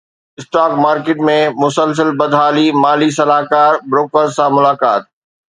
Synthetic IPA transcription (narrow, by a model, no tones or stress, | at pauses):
ɪsʈaːkmaːɾkeːʈmẽmʊsəls̬əlbɐd̪ʱɦaːlimaːlis̬ɐlaːkaːɾbɾoːkəɾzsãmʊlaːkaːt̪̚